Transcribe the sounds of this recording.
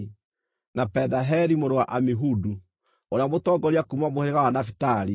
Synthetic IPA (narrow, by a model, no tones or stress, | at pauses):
napɛdaɦɛɾimoɾowaʔamiɦudu | oɾeamotɔɡɔɾjakumamohɛeɣawanafitaɾi